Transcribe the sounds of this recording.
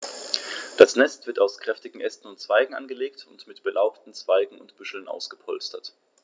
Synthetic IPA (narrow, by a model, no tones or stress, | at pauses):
d̥asnɛstv̥ɪɐtaʊskʁ̥ɛftɪɡŋ̩ʔɛstn̩ʊntt͡sv̥aɪɡŋ̩ʔa̰nɡəleːktʰʊntmɪtb̥əlʔaʊptn̩t͡sv̥aɪɡŋ̩ʊntb̥ʏʃl̩nʔa̰ʊsɡ̥əpʰɔlstɐt